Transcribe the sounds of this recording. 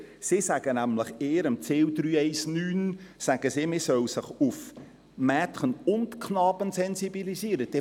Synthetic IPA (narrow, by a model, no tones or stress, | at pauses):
sisæɡ̥ənæmləχeːəɾəmt͡seːwd̪ɾyːɛɪsnyːnsæɡ̥əsiːmɪsœwsəχʊf | mɛːtχənʊntkʰχnɑːb̥ənsɛnsibilisiːəɾəd̥ɛ